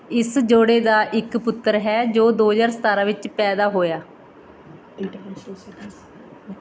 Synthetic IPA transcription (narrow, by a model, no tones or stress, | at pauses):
ɪsd͡ʒoːɽeːd̪aːʔɪkpʊt̪ːəɾɦɛːd͡ʒoːd̪oːd͡ʒaːɾsə̥t̪aːɾãːʋɪt͡ʃpɛːd̪aːɦoːjaː